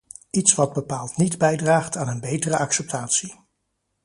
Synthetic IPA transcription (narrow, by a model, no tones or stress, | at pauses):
itsʋɑd̚bəpaːlˠtnidbɛjdraːχtaːnənbejtərəʔɑksɛp̚tʰaːtsi